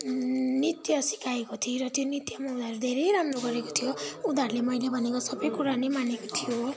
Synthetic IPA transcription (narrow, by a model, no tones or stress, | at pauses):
nit̪jʌsi̥kaekot̪ʰiɾʌt̪jonit̪jʌmʌwd̪aɾud̪ʱeɾejɾamroɡʌɾekot̪ʰijoud̪ʱarlemʌjlebʱʌnekosʌbʌjkuɾalemanekot̪ʰijo